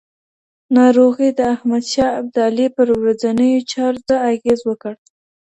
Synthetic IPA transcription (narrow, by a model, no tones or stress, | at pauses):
nɑɾoɣid̪əahmad̪ʃɑab̚d̪ɑlipəɾwɾad͡zanəjot͡ʃɑɾzaaɣezwəkəɽ